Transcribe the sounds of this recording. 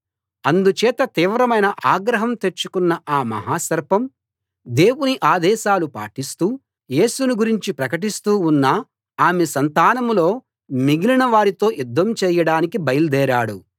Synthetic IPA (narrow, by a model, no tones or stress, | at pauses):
ɐnd̪ut͡ʃɛːt̪ɐt̪iːʋɾɐmɐjnɐʔaːɡɾɐɦɐmt̪e̞t͡ʃːukunːɐʔaːmɐ̰ɦaːsɐɾpɐm | d̪e̞ːwuniʔaːd̪ɛːʃaːlupa̰ːʈist̪uː | je̞ːsunuɡuɾiɲt͡ʃipɾɐkɐʈ̬ist̪uːunːɐ | aːmesɐnt̪aːnɐmlo̞ː | miɡilinɐʋaːɾit̪o̞ːjud̪ʱːɐmt͡ʃɛːjɐɽaːnikibɐjɐlud̪ɛːɾaːɽu